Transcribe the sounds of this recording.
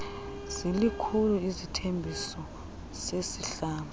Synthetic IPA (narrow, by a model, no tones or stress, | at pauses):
z̥ilikʰuluizitʰembʱisɔ | sesiɬaːnu